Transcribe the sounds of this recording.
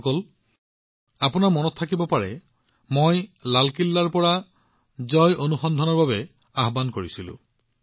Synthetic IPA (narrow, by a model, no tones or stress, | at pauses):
kɔl | apʊnaɹmɔnɔttʰːakibɔpaɹɛ | mojlalkilːaɹpɔɹa | zɔjʔonuxɔnd̪ʱɔnɔɹbabɛ | aɦbankoɹisilʊ̰̃